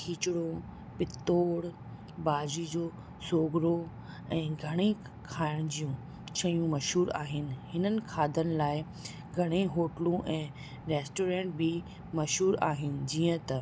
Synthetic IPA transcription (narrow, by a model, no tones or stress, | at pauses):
kʰiːt͡ɕɪɽo | pɪt̪ːoːɽ | baːd͡ʑid͡ʑoː | soːɡɾo | ɛ̃ːɡʱɐɽ̃e | kʰaːɪɽ̃d͡ʑijũ | t͡ɕʰɐjũmɐʃɦuːɾa̰ːɦɪnɪ̆hɪnənɪ̆kʰaːd̪ʱənɪ̆laːɪ | ɡʱɐɽ̃eɦoːʈlũʔɛ̃ː | ɾeːsʈoːɾɛ̃ːɳʈ̚bʱɪ | mɐʃɦuːɾa̰ːɦɪnɪ̆d͡ʑiːə̃t̪ɐ